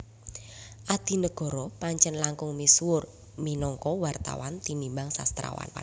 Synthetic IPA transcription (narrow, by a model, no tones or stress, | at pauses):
ʔad̪̥i̤nəɡ̥ɔ̤ɾɔpaɲt͡ʃɛnlaŋkʊŋmiswʊr | minɔŋkɔwart̪a̰want̪inimbaŋsa̰st̪ɾa̰wa̰n